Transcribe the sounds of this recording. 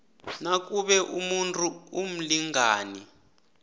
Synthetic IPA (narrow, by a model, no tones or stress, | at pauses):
nak̬ʼuɓɛʔumuntʰʼuum̩liŋaːni